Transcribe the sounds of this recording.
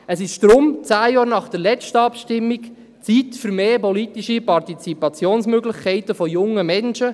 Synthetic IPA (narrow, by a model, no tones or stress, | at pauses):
əsɪʃd̪ɾʊmt͡sæːjɑːɾnɑχd̥əɾlɛt͡stəɑpʃtɪmːik | t͡sit̪fʏɾmeːpɔlitiʃipɑrtit͡sipɑt͡sjoːnsmøɡlɪχkʰɛɪt̪əfɔjʊŋːəmɛnʃə